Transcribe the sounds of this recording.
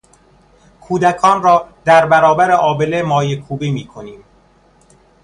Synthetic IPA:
kʰuːd̪ækʰɒːnrɒːd̪̥æɾbæɾɒːbæɾeʔɒːbelemɒːjekʰuːbiːmiːkʰo̞niːm

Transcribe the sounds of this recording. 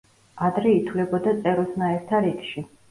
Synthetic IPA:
ad̪ɾɛit̪ʰwvlɛbɔd̪at̪sʼɛɾɔsnaɛɾt̪ʰaɾikʃi

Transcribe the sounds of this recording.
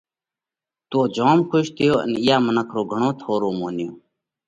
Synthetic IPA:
t̪oːd͡ʒoːmkʰʊʃt̪ʰɪjoːʔə̰nɪjaːmənəkʰɾoːɡʱəɳoːt̪ʰoːɾoːmoːnɪjoː

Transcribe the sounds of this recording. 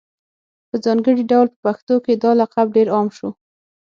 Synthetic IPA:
pəzɑŋɡəɽiɖawlpə̥paxt̪oked̪ɑlaqabɖeɾɑmʃu

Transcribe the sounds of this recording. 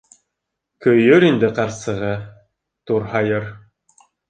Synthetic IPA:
kɵ̆jɵɾind̪ɘqɑɾsɤ̆ʁɤ | t̪uɾhɑjɤɾ

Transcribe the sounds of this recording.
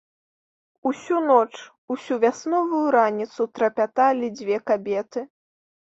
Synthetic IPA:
usʲunɔt͡ʂ | usʲuvʲasnɔvujuɾanʲit̪sut̪ɾɐpʲat̪alʲid͡zʲvʲɛkabʲɛt̪ɨ

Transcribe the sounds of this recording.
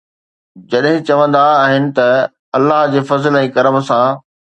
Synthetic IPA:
d͡ʑɐɗɦɪ̃t͡ɕɐʋə̃nd̪aːɦɪnɪ̆t̪ɐ | ɐlːaɦd͡ʑeːfɐzəlɛ̃ːkɐɾəmsã

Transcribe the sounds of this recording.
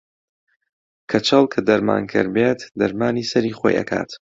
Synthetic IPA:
kʰɐt͡ʃʰɐlˠkʰɐd̪ɐɾma̰ːnkʰɨ̰ɾbeːt̪d̪ɐɾmaːniːsɐɾiːχo̰ːjʔɐ̰kʰa̰ːt̪

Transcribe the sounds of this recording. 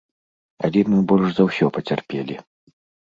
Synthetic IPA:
ɐ̰lʲɛmɨbɔlʲʂzɐwsʲɔpɐt͡sʲarpʲɛlʲi

